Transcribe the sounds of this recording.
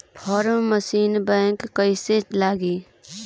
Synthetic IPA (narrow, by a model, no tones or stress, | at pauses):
pʰɔːɾmməsiːnbɛ̃ːŋkːəiselaːɡiː